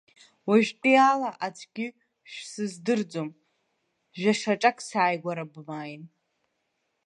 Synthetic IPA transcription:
waʒᶣtʼialaʔat͡ʃʷʰɡʲɪ | ʃᶣsɨzdɨrd͡zom | ʒᶣaʂaʈ͡ʂʼakʼsaːjɡʷaɾabmajn

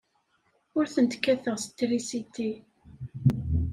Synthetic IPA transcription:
ʊɾθənt̪kːæθəʁst̪ːɾisit̪ːi

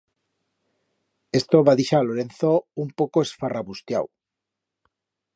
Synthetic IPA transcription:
est̪oβaðiʃaloɾenθoumpowkoesfaraβust̪ja̰w

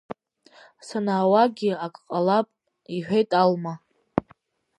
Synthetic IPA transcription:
sanaːwaɡʲiakʼqʼalapʼ | iħᶣejtʼalma

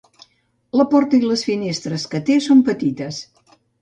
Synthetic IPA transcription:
ləpɔrt̪əiləsfinest̪ɾəskət̪esompət̪it̪əs

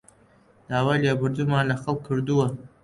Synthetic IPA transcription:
d̪̥aːwaːjleːbɨɾd̪uːmaːnlɐxɐlˠkʰːɨɾd̪uwɐ

